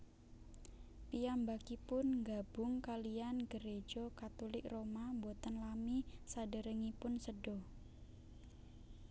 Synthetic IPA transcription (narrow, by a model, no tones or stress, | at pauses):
pijambakipʊnŋɡab̥ʊŋkalijanɡəɾe̥d͡ʒ̥ɔkat̪ulɪkromambot̪ənlamisadəɾəŋipʊnsəɖɔ